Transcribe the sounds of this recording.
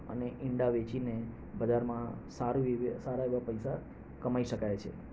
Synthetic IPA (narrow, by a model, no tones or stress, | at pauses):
ə̰neʔɪɳɖaʋet͡ʃine | bəd͡ʒaɾmãsaɾuisaɾaeʋapəjsa | kəmaiʃəkajt͡ʃʰḛ